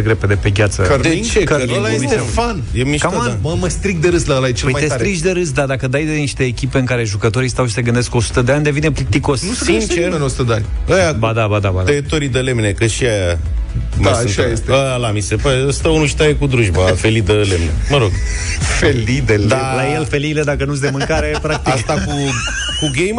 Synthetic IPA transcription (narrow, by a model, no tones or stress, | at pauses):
eɡɾeped̪epe̞ɡʲat̪səkəɾit͡ʃekəlajeeefanjemiʃkamməmast̪ɾik̚d̪eɾɨsd̪alajet͡ʃelujmajt̪esɾt̪ɾit͡ʃd̪eɾɨs̬d̪ad̪akəd̪ajd̪eniʃt̪eːkʲipe̞ɨŋkaɾe̞ʒukət̪o̞ɾist̪awʃi̥se̞ɡɨnd̪esko̞su̥t̪əd̪eanʲd̪e̞vineplit̪iko̞snusint͡ʃenosu̥t̪əd̪eanʲəjabad̪abad̪aba̰d̪et̪oɾid̪əle̞mnekəʃiaja | maanʃajest̪eəlamise̞paɾeəst̪aunuʃi̥t̪ajekud̪ɾuʒb̪afe̞lid̪əlemnḛməɾo̞ɡ | felid̪eld̪alajelfe̞liːled̪akənus̬d̪emɨŋkaɾepɾak̚t̪iast̪aku | kuɡejm